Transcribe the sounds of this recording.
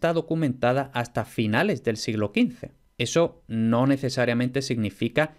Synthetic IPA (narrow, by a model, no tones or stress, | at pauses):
t̪aðo̞kumẽnt̪að̞aʔast̪afinale̞zðe̞lsiɣlo̞kin̟θe̞̰ | e̞so̞no̞ne̞θe̞saɾjamẽnt̪e̞siɣnifika